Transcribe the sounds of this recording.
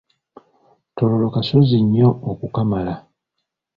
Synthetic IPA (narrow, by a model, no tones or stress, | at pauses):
to̞lo̞lo̞kasoziɲːo̞ːkukamala